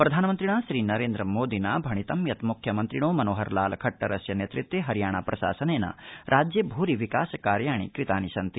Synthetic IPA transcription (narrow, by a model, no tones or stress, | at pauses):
pɾɐd̪ʱaːnɐmɐnt̪ɾiɳ̃aːʃɾiːnɐɾeːnd̪ɾɐmoːd̪inaːbʱɐɳ̃it̪ɐmjɐt̪mukʰjɐmɐnt̪ɾiɽoːmɐnoːɦɐɾlaːlɐkʰɐʈːɐɾɐsjɐneːt̪ɾit̪ːjeːɦɐɾjaːɳ̃aːpɾʔɐʃa̰ːsɐneːna̰ɾʔaːd͡ʒjɐbʱuːɾiʋikaːsɐkaːɾjaːɳ̃ḭkɾit̪aːniʃɐnt̪i